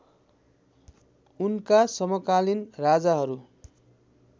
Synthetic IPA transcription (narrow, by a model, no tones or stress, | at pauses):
unkasʌmʌkalinrad͡zaɦʌɾu